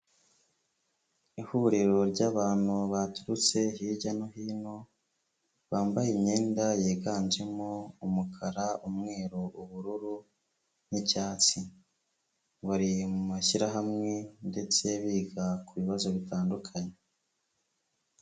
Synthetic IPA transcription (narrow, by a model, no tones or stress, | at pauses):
ihuɾiɾo̞ɾɟaːβaːn̥huβatuɾut͡se̞ɦiɟanoɦiːno̞ | βaːmbajimɲe̞ːndajeːɡaːnd͡ʒe̞moumukʰaɾaumŋe̞ːɾoʔuβuɾuɾu | nicaːt͡si | βaɾimumaʃiɾaɦamŋe̞nde̞t͡se̞βiːɡakuβiβazo̞βitʰaːndukʰaɲe